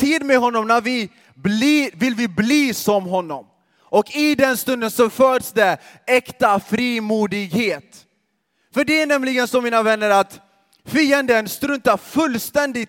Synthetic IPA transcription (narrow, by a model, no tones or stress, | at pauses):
t̪ʰiːd̪meɦɔnːɔmnæɾvɪ | blivɪlvɪbliːsɔmɦɔnːɔm | ɔkɪd̪ɛnst̪ɵnd̪ənsɔfœːɖsd̪ɛɛkt̪afɾiːmuːd̪ɪɡheːt̪ | fœɖɛæɳɛmlɪɡənsɔmːiːnavɛnːəɾat̪ | fiːənd̪ənst̪ɾɵnt̪afɵlːst̪ɛnd̪ɪ